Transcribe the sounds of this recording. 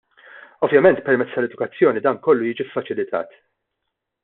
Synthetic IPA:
ɔvjɐmɛnt̪pɛɾmɛt͡sːt̪ɐlɛd̪ʊkɐt͡sːjɔːnid̪ɐːŋkɔlːujiːd͡ʒifːɐt͡ʃɪlɪt̪ʰɐ̰ːt̪

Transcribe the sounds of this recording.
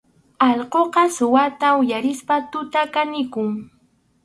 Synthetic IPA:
ɑʎqoqɑsʊwat̪aʊjaɾɪspat̪ʊt̪akanɪkʊŋ

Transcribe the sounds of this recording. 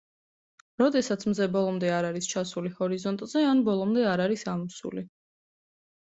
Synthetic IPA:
ɾɔd̪ɛsat̪sʰmzɛbɔlˠɔmd̪ɛaɾaɾist͡ʃʰasulihɔɾizɔnt̪ʼzɛanbɔlˠɔmd̪ɛaɾaɾisamusṵli

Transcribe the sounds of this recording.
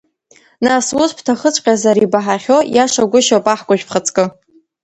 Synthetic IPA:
naswʊzpʰtʰaχət͡ɕʷʼqʲʼazaɾibaħaχʲo̞jaʂaɡʷʊʃopʼaħɡʷaʒᶣpʰχət͡sʰʼkʼɨ

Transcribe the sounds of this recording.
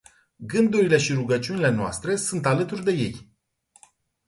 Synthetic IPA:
ɡɨnd̪uɾile̞ʃiɾuɡət͡ʃiunile̞noa̰st̪ɾe̞sunt̪alət̪urʲd̪e̞je̞̰j

